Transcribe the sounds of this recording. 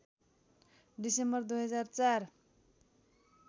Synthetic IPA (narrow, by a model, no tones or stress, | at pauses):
ɖisembʌrd̪ujɦʌd͡zart͡sar